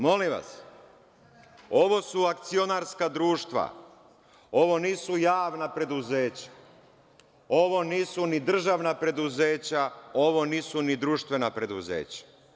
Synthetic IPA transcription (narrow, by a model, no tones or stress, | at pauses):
mo̞liʋa̰s | o̞ʋo̞suakt̪sio̞naɾskad̪ɾuːʃt̪ʋa̰ | o̞ʋo̞niːsujaːʋnapɾe̞d̪uzeːt͡ɕḁ | o̞ʋo̞niːsunid̪r̩ʒaʋnapɾe̞d̪uze̞ːt͡ɕao̞ʋo̞niːsunid̪ɾuːʃt̪ʋe̞napɾe̞d̪uzḛːt͡ɕḁ